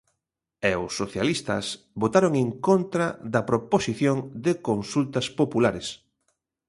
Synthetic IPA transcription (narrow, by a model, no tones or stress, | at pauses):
ɛʊsːoθjalist̪ɐ̰s | βot̪aɾoŋeŋkont̪ɾɐðɐpɾoposiθjoŋd̪ɪkonsult̪ɐspopulaɾes